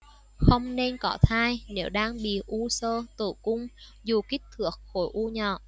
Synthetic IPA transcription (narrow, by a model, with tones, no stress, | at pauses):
xə˧wŋ͡mne˧nkɔ˨˦t̪ʰaː˧jne˨˦wɗaː˧ŋɓḭ˧˨ʔu˧səː˧t̪ɨ̰˧˩kʊ˧ŋ͡mzu˨˩ki˦˥k̟̚t̪ʰɨ˨˥ək̚xo˨˦jʔu˧ɲɔ̰ː˧˨